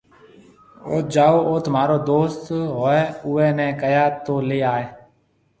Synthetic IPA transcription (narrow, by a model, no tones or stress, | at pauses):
o̰ːt̪̚d͡ʒaːoːoːt̪maːɾoːd̪oːst̪ɦoːɛːʊːɛ̃ːnɛ̃ːkəjaːt̪oːleːaːeː